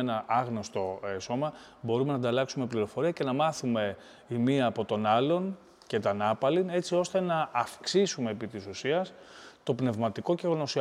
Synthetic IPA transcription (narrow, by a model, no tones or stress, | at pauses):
enɐɐɣno̞st̪o̞so̞mɐ | bo̞ɾume̞nɐd̪ɐlɐksume̞pliɾo̞fo̞ɾiɐce̞nɐmɐθume̞ | imiɐːpo̞t̪o̞nɐlo̞n | ce̞t̪ɐnɐpɐline̞t͡sio̞st̪e̞nɐʔːfksisume̞ːpit̪isusiɐst̪o̞pne̞vmɐt̪iko̞ceɣono̞siɐ